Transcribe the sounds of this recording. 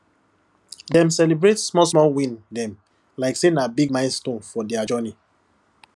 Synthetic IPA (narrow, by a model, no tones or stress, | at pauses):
dɛ̃msɛlibɹetsmɔsmɔlwĩndɛ̃m | laɪksenabiɡ̚mãɪ̃nstõnfɔdɛad͡ʒɔni